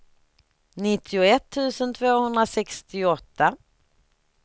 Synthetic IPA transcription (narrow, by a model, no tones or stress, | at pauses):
nɪt̪ʰːɪʊɛt̪ʰːʉ̟ːsənt̪ʰvoːhɵnd̪ɾasɛkst̪ɪɔt̪ʰːa